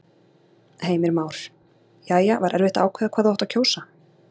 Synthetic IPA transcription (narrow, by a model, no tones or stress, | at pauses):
heːjmɪɾmaːwɾ̥ | jaːjavaɾʔɛɾvɪht̪aaːwkʰvɛːðakʰvaːðawaht̪acʰoːwsa